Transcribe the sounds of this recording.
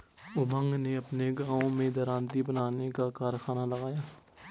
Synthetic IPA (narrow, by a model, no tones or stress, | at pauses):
ʊbʱə̃ŋɡneɐpneɡãːõmẽd̪ɐɾãːnt̪ibənaːnekakaːɾxaːnalɐɡaːjaː